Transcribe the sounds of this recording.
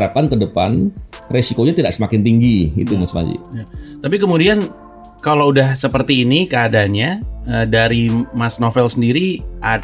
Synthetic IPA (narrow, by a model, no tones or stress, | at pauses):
ɾapankədəpa̰nresikoɲat̪idaʔsəmakɪnt̪iŋɡiḭt̪umasma̰d͡ʒḭjat̪apikəmudian | kaloudahsəpərt̪iːnikəadaɲɲaədaɾimasnofɛlsəndiɾiʔa